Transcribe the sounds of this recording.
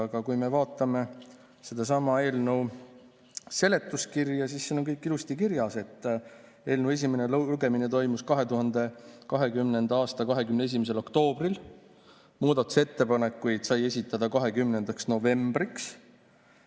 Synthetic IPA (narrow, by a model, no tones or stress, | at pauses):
ɑɡ̥ɑkujme̞vɑːt̪ːˑɑme̞ | sed̪̥ɑs̬ɑmɑe̞ːlnəw | se̞le̞t̪ːˑuskirjɑsisːeno̞ŋkɤjkˑːilust̪ikirjɑse̞t̪ːˑ | e̞ːlnəwe̞s̬ʲimene̞lɡe̞mine̞t̪o̞jmuskɑɦe̞t̪uɦɑnd̪e̞kɑɦe̞kymne̞nd̪ɑɑːst̪ɑkɑɦe̞kymnee̞s̬imes̬e̞lo̞kt̪o̞ːb̥ril | muːd̪ɑt̪ːˑu̥se̞t̪ːe̞pɑne̞kːˑujd̪̥sɑje̞sʲit̪ːˑɑd̪̥ɑkɑɦe̞kymne̞nd̪̥ɑksno̞ve̞mb̥riks